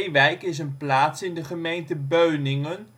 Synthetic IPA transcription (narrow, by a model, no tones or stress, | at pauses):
ʋɛjkɪs̬ənplaːtsɪndəχəmejntəbøɥnɪŋən